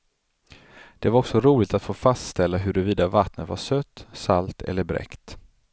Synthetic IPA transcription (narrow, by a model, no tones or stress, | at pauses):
d̪̥ɛvaɾɔksɔɾuːlɪɡt̪at̪foːfast̪st̪ɛlːaɦɵɾɵviːd̪avat̪nət̪va̰ʂœt̪ːsalt̪ʰɛ̰lːəɾbɾɛ̰kt̪